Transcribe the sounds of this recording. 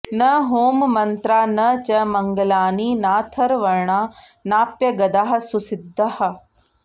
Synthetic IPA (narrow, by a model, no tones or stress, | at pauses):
nɐɦoːmmɐnt̪ɾaːnɐt͡ʃɐmɐŋɡɐlaːninaːt̪ʰɐɾʋɐɾɳaːnaːpjɐɡɐd̪aɦɐ̆susid̪ʱːɐhɐ̆